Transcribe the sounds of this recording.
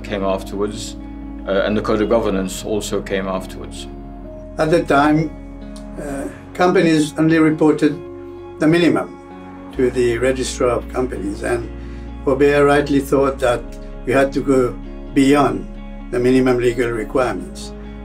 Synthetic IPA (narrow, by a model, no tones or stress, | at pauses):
kʰẽɪ̃mæftʰə˞wədz | ɨ̰̃nðɨkʰoʊɾəvɡʌvə˞nə̃nsɔ̰lˠsoʊkʰẽɪ̃mæftʰə˞wə̰dz̥ | ət̪̚ðɨtʰãɪ̃m | kʰʌ̃mpɨnizõʊ̃nliɹɨpʰɔɹɾɨd̪̚ | ðɨmɪ̃nɨmə̰̃m | tʰɨðɨɹɛd͡ʒɨstɹəʌv̥kʰʌ̃mpɨnḭzɨ̰̃n | fəbɛɹaɪtˡliθɔt̪̚ðət̚ | jɨhɨd̚tɨɡo | biɑ̃n | ðɨmɪ̃nɨmɨ̃mliɡɨlˠɹɪkʰw̥aɪəmə̃nts